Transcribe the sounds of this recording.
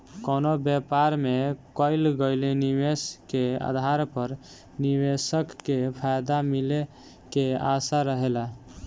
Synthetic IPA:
konobjɛpaɾmekəɪlɡəɪleniweskea̰d̪ʱaɾpəɾ | niwesəkːepʰajd̪amile | keasaɾəɦela

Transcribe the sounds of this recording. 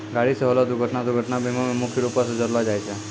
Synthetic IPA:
ɡaɽisəɦəlod̪uɡʱəʈnad̪uɡʱəʈnabimomemukʰiɾupasd͡ʒəɾʋad͡ʒajt͡ʃʰe

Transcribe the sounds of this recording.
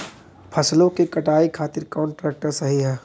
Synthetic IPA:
pʰɐslõkekɐʈaːikʰaːt̪ɪɾkɔːɳʈɾɛːk̚ʈəɾsɐɦiɦɛː

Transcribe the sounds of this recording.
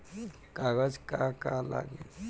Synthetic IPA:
kaɡəd͡zkakala̰ɡe

